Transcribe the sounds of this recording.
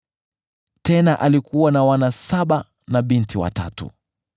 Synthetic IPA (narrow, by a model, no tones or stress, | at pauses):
tɛnaʔalikuwanawanasaɓa | naɓintiwa̰ta̰tṵ